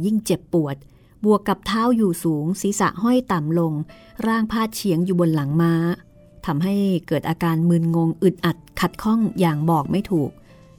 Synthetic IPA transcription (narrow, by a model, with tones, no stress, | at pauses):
ji˥˩ŋt͡ɕe˨˩pːu˨˩ət̪̚ | bu˨˩əkːa˨˩p̚t̪ʰaː˦˥˩wjuː˨˩suː˩˦ŋsiː˨˦sa̰˨˩ʔɦɔ˥˩jt̪a˨˩mlo˧ŋ | ɾaː˥˩ŋpʰaː˥˩t̪̚t͡ɕʰi˩˦əŋjuː˨˩bo˧nla˩˦ŋmaː˦˥ | t̪ʰa˧mɦa˥˩jkɤː˨˩t̪̚ʔaː˧kaː˧nmɯː˧nŋo˧ŋʔɯ˨˩t̪̚ʔa˨˩t̪̚kʰa˨˩t̪̚kʰɔ˥˩ŋjaː˨˩ŋbɔː˨˩k̚ma˥˩jt̪ʰuː˨˩k̚